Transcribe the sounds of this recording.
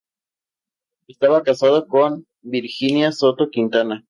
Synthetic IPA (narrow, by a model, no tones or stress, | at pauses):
est̪aβakasaðokon | biɾxinjasot̪okint̪ana